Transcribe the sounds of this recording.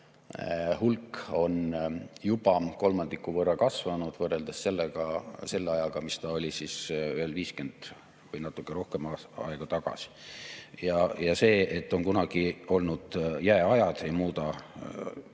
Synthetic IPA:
hulko̞njub̥ɑko̞lmɑnd̪̥ikːˑuvɤrːɑkɑsvɑnud̪̥vɤre̞ld̪̥esːe̞lːeɡ̥ɑse̞lːeɑjɑɡ̥ɑmist̪ɑo̞lʲisisyelviːske̞nd̪̥ | vɨjnɑt̪ːˑukːˑeɾo̞hke̞mɑɑ̰eɡ̥ɑt̪ɑɡ̥ɑ̰si̥jɑjɑse̞ːet̪ːˑo̞nkunɑɡ̥io̞lnud̪̥jæeɑjɑd̪̥e̞jmuːt̪ɑ

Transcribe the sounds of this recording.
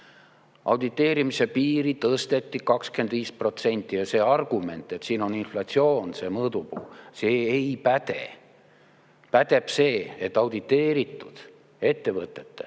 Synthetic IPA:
ʔɑ̰wd̪̥it̪ˑːe̞ːɾimise̞piːɾit̪ɤst̪e̞t̪ːikɑkske̞nd̪viːspro̞t̪se̞nʲt̪ˑːijɑse̞ːɑrɡ̥ume̞̰nt̪ːˑe̞t̪siːno̞ninflɑt̪sio̞ːnse̞ːmɤːd̪upuːse̞ːejpæd̪̥e̞ | pæd̪̥e̞b̥se̞ːet̪ːˑɑwd̪̥it̪ːe̞ːɾit̪ːˑud̪̥ | e̞t̪ːe̞vɤt̪ːˑe̞t̪ːḛ

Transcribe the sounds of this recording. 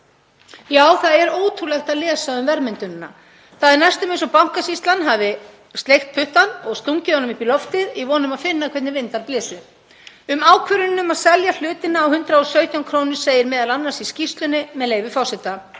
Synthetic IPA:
jaːwθaðɛɾoːwt̪ʰulɛxt̪aðlɛːsaʏmvɛɾmɪnt̪ʏnnːa̰ | θaðɪɾnajst̪ʏmensɔpawŋ̥kasist̪lanɦaːvɪ | st̪lejxt̪̚pʰʏht̪anɔɣst̪uŋcɪɔnʏmipilɔft̪ɪðivɔːnʏmaðfɪnːakʰvɛt̪nɪvɪnt̪aɾplɪːsʏ | ʏmaːwkʰvʏɾʏnnːʏmaðsɛljal̥ʏːt̪ɪnːaːwhʏnt̪ɾaɔsœɥt̪ʰjawŋkʰɾoːnʏ̥seːjɪɾmɛːðalanːaɾ̥siscist̪lʏnɪmɛðleːjvɪfawsɛt̪a

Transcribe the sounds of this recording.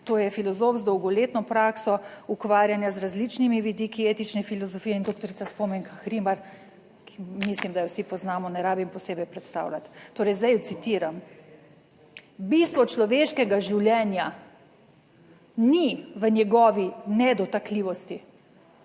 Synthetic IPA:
t̪oːjɛfilɔzoːfzd̪ɔwɡɔleːt̪nɔpɾaːksɔukʋaːɾjanjazɾazlit͡ʃnimiʋid̪iːkieːt̪it͡ʃnɛfilɔzɔfiːɛind̪oːk̚t̪ɔɾiaspɔmɛŋkaxɾimaɾ | kʰimislimd̪ajɔwsipɔznaːmɔnɛɾaːbimpɔseːbɛjpɾɛt̪st̪a̰ːwlat̪ːoːɾɛjzd̪ajut̪sit̪iːɾam | bist̪ʋɔt͡ʃlɔʋeːʃkɛɡaʒiwljɛːnja | niʋənjɛɡɔːʋinɛd̪ɔt̪akliʋɔst̪i

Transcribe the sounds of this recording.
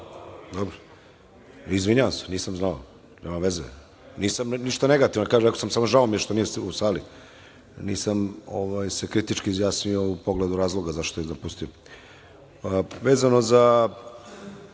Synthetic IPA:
d̪obɾo | izʋiɲaʋamseniːsamznao̰ | neːmaʋezḛ | niːsamniʃt̪aneɡat̪iʋnookaːʒeekosamsamoʒaomijeʃt̪onijɛusaːli | niːsamoʋajse̞kɾit̪it͡ʃkiːzjaːsnio̞upoɡled̪uɾaːzlˠo̞ɡazaʃt̪oezapust̪io | ʋeːzano̞za

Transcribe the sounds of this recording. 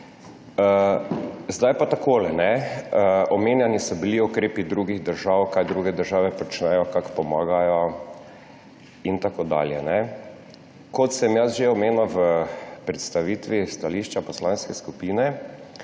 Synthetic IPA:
ə | zd̪ajpat̪akoːlɛnɛəɔmeːnjanisɔbiliɔkɾeːpid̪ɾuːɡiɣd̪əɾʒawkajd̪ɾuːɡɛd̪əɾʒaːʋɛpɔt͡ʃnɛjɔkakpɔmaːɡajɔ | int̪akoːd̪a̰ːljɛnɛ | kɔt̪sɛmjasʒeɔmeːnɔʋəpɾɛt̪st̪aʋiːt̪ʋist̪aliːʃt͡ʃapɔslaːnskɛskupiːnɛ

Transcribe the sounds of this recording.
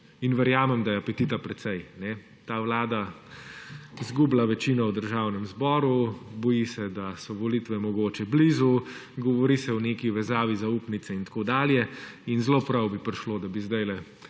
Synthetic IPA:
inʋɛɾjaːmɛmd̪ajɛapɛt̪it̪apɾɛt̪sɛjnɛ | t̪aːʋlaːd̪a | zɡuːblaʋɛt͡ʃiːnɔwd̪əɾʒaːwnɛmzbɔːɾubɔjisɛd̪asɔʋɔlit̪ʋɛmɔɡoːt͡ʃɛbliːzu | ɡɔʋɔɾisɛɔneːkiʋɛzaːʋizauːpnit̪sɛint̪ḁkod̪aːljɛinzloːpɾɐwbipɾiʃloːd̪abizd̪ajlɛ

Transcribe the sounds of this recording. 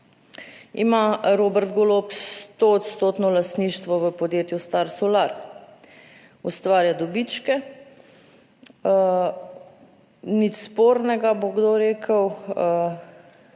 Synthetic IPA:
ḭmaɾobɛɾt̪ɡolopst̪oːt̪st̪oːt̪nɔlast̪niːʃt̪ʋɔʋəpɔd̪jeːt̪just̪aɾsolaɾ | ust̪ʋaːɾjad̪ɔbit͡ʃkɛ | nit͡ʃspoɾnɛɡaboɡd̪oɾeːkʰəw

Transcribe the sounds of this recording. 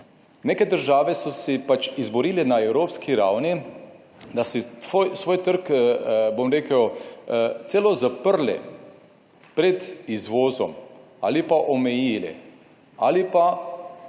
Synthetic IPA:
nekɛd̪əɾʒaːʋɛsɔsɛpat͡ʃizbɔɾiːlɛnaewɾoːpskiɾawni | d̪asɛfojsʋoːjt̪əɾkbomɾeːkəw | t̪selɔzapəɾlɛ̰ | pɾɛd̪izʋoːzɔm | a̰ːlipaʔɔmɛjiːlɛ̰ | a̰lipa

